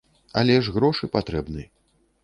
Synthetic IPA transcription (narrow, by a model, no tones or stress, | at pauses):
a̰lʲɛʐɣɾɔʂɨpat̪ɾɛbnɨjɐ